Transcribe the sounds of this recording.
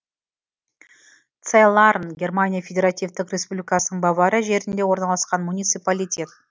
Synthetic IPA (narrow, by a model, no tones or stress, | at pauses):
t̪selˠaɾnɡʲe̞rmanʲijafʲe̞dʲe̞ɾat̪ʲijvt̪ɪkrʲe̞spublʲijkɑsənəɴbɑvɑɾəʒe̞ɾɪnd̪e̞wo̞ɾnɑlˠɑsqɑnmunʲijt̪sɨjpalʲijtʲe̞t̪̚